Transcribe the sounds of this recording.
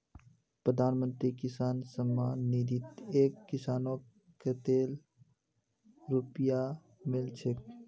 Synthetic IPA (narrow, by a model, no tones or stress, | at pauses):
pɾəd̪ʱaːnmə̃nt̪ɾikɪsaːnsəmːaːnːid̪it̪eːkːɪsaːnõ | ket̪eːl | ɾupja | mɪlt͡ʃʰek